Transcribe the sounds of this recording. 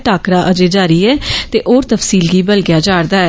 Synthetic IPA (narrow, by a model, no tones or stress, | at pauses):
ʈaːkɾaːʔəd͡ʒeːd͡ʒaːɾiːɛːt̪eːʔoːɾt̪əfsiːlɡiːbəlɡjaːd͡ʒaːɾd̪aːɛː